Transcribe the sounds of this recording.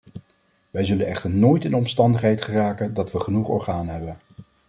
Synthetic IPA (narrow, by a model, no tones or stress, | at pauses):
ʋɛjzɵlənɛχtəɹnoːjtɪnɔmstɑndəχɦɛjtχəraːkəndɑtʋəχənuχɔ̰ɹχaːnɦɛbən